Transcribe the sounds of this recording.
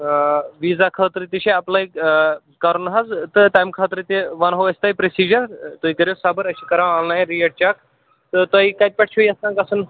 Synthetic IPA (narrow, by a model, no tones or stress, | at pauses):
ʋiːzakʰɐːt̪ɾit̪iʃeɐplaːi | kɐɾunɦazt̪ɨʈajmkʰaːt̪ɾit̪ʲeʋɐnɦoɐsʲt̪aːjpɾesiːd͡ʒɐɾt̪oikɐɾjosabɐɾɐʃikɐɾawãːnlaːjɾieʈ̚t͡ʃaːk | t̪ɨt̪ɐikɐt̪̚pʲɐʈ̚t͡ʃʰoiɐst̪ãŋkɐsɨn